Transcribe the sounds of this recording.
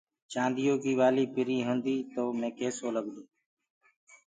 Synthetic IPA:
t͡ʃãːnd̪ɪjõːkiːʋaːliːpɪɾĩːɦõːnd̪iːt̪oːmẽːkeːsoːləɡd̪õː

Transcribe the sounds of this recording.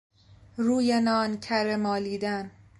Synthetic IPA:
ɾuːjenɒːncʰæɾemɒːliːd̪æn

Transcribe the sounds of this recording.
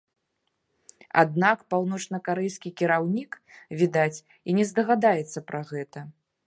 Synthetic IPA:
a̰d̪̚nakpawn̪ɔt͡ʂnɐkaɾɛjskʲikʲiɾawnʲik | vʲid̪at͡sʲ | inʲɛzd̪ɐɣad̪ajɛt̪sːɐpɾaɣɛt̪ɐ

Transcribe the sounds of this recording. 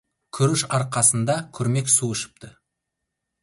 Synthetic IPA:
kʲʰʏɾɪʃɑɾqɑsənd̪ɑkʲʰʏɾme̞ksuʏʃɪ̥p̚t̪ə

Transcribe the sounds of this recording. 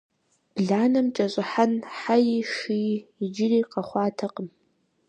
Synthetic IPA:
b̥ɮaːnamʈ͡ʂʼaɕʷʼaħanħajiʂiːd͡ʒɪriqʼaχʷaːtʰaqʼəm

